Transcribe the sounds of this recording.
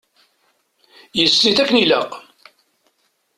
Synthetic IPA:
jəsːiθækːənilæq

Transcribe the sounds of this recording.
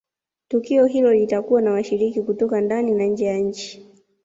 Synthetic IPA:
tukiɔɦilɔlitakuwanawaʃiɾikikutɔkandaninaɲ̩d͡ʒɛjaɲ̩t͡ʃi̥

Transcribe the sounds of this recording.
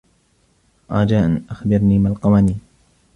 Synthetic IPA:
ʔaːd͡ʒaːʔanʔaxbɪɾniːmalqɑmaniː

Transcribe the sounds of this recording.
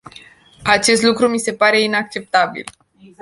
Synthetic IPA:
at͡ʃe̞st̪lukɾumise̞paɾe̞inak̚t͡ʃe̞p̚t̪abḭl

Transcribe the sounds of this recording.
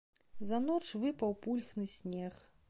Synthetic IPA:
zɐn̪ɔt͡ʂvɨpɐwpulʲxnɨsʲnʲɛx

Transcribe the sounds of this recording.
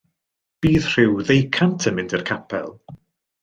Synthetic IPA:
b̥iːð̥r̥ɪwðejkʰantʰənmɪndɪrkʰapʰɛ̰lˠ

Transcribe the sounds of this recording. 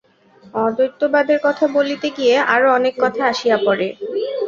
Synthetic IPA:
ɔd̪ojt̪ːobad̪eɾkɔt̪ʰabolit̪eɡijeʔa̰ɾoɔnekːɔt̪ʰaaʃijapɔɾe

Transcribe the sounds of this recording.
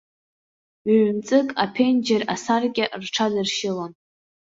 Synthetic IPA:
ɥɥmt͡sʼɨkʼapʰend͡ʒerasarkʲʼɪʔrʈ͡ʂʰadɨrʃɪlon

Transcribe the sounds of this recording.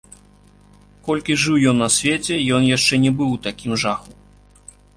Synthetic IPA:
kɔlʲkʲiʐɨwjɔnːɐsʲvʲet͡sʲɛjɔnjaʂt͡ʂɛnʲɛbɨwt̪akʲimʐaxu

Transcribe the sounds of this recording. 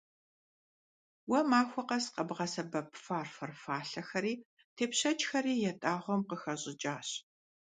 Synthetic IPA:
wɐmaːxʷɔqɐsqɐbʁɐsɐbɐpʰfaːrfɐrfaːɬɐxɐɾiː | tʰeːpɕɐt͡ʃʼxɐriːjɛtʼaːʁʷɔmqəxɐʑʼɪt͡ʃʼaːɕ

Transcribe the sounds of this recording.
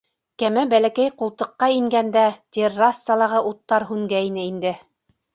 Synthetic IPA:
kæmæbælækæjqulˠt̪ɤ̆qːɑiŋɡænd̪æt̪ʲerːasːɑlˠɑʁɤʔut̪ːɑɾɦʉŋɡæinɘind̪ɘ

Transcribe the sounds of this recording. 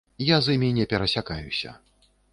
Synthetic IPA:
jazɨmʲinʲɛpʲɛɾɐsʲakajṵsʲɐ̰

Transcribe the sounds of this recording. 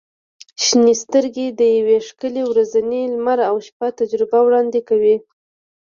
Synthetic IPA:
ʃnist̪əɾɡed̪əjaweʂkəlewɾazanelmaɾawʃpat̪ad͡ʒɾɪbawɽɑnd̪ekawi

